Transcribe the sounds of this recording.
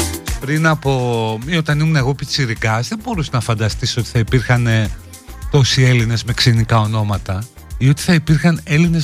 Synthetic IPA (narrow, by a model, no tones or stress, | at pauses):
pɾinɐpo̞mio̞t̪ɐnimuneɣo̞pit͡siɾikɐzðebo̞ɾusenɐfɐnd̪ɐst̪iso̞t̪i̥θɐipiɾxɐne | t̪o̞sie̞line̞zme̞ksinikɐo̞no̞mɐt̪ɐ | io̞t̪i̥θɐipiɾxɐne̞line̞z